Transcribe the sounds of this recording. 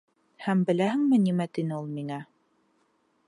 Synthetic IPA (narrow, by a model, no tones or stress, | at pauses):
hæmbɘ̆læɦɘ̆ŋmɘnimæt̪inɘulˠmiŋæ